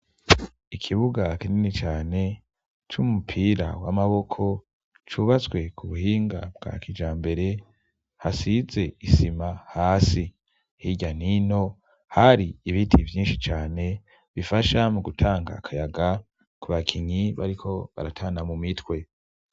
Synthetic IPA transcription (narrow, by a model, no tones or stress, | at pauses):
ikʰiβuɡakininit͡ʃaːne̞ | t͡ʃumupʰiːɾa̰wa̰maβo̞kʰo̞ | t͡ʃuβat͡sɡwe̞kʰuβuhiːŋɡa̰b̚ɡ̥a̰kʰid͡ʒaːmbe̞ɾe̞ | hasize̞isimahaːsi | hiɟanino̞ | haɾiiβitʰivjiːnʃit͡ʃaːne̞ | βifaʃamuɡutʰaːŋɡa̰kʰajaɡa | kuβakʰiɲiβaɾikʰo̞βa̰ɾatʰaːnamumitwe̞